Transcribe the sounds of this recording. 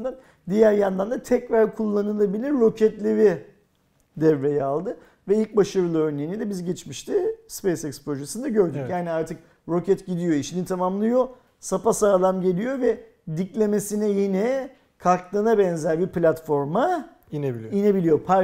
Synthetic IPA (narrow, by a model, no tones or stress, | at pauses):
d̪an | d̪ijæɾjand̪and̪at̪ʰɛcɾaɾkʰulˠːanɯlˠabilʲiɾːo̞cʰɛt̪lʲeɾi | d̪ɛvːejɛalˠd̪ɯ | vɛilʲc̚baʃaɾɯlˠɯøɾnejinid̪ɛbizɟɛt͡ʃmiʃt̪ʰispejsɛkspɾo̞ʒesɯnd̪aɟø̞ɾd̪yjaːniaɾt̪ʰɯk̚ | ɾo̞cʰɛt̪ɟid̪ijo̞iʃinit̪ʰamamlˠɯjo̞ | sapasaːlˠamɟe̞lʲijo̞vɛ | d̪iclʲe̞me̞sinɛjenɛ | kʰaklˠɯnabɛnzæɾbiplʲat̪fo̞ɾma | ineiiine̞bilijopʰa